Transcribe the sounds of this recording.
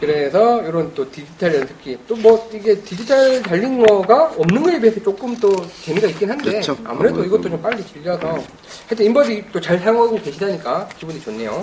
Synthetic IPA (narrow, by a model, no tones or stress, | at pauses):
kɯɾe̞sʰʌjoɾʌnt͈otid͡ʑitʰaɭːʌsʰɯ̥kʰit͈omwʌiɡe̞tid͡ʑitʰaɭtaʎːinɡʌɡaʌmnɯnɡʌebiesʰʌt͡ɕ͈ok͈ɯmt͈ot͡ɕe̞miɡaik͈inɦannde̞oa̰muɾe̞doiɡʌt͈ot͡ɕomp͈aʎːit͡ɕɯʎːʌsʰʌ | hatʰeimbʌd͡ʑit͈ot͡ɕaɭsʰaŋaɡoke̞ɕʰidaɲik͈akibunit͡ɕonːe̞jo̰